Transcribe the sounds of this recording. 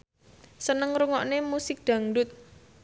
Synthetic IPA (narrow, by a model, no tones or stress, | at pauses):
sənəŋɾuŋɔʔnemusɪk̚d̪̥ä̤ŋɖʊt̪̚